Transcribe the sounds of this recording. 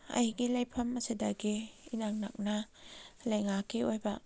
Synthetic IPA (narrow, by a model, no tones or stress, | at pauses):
ɐ̰jiɡilajpʰɐmɐsidɐɡiːnaŋnɐ̰k̚nɐ | lɐjŋakːiojbɐ